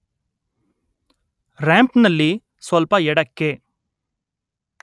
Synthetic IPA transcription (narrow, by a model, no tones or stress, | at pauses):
ɾaːmpnɐlːi | sʋɐlpɐɛɽɐkːe